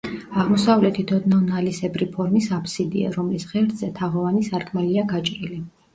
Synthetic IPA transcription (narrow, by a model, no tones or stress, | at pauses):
aʁmɔsavlɛt̪ʰit̪ʰɔd̪nanalisɛbɾipʰɔɾmisapʰsid̪ḭa̰ɾɔmlisʁɛɾd̪zɛt̪ʰaʁɔvanisaɾkʰmɛliaɡat͡ʃʼɾili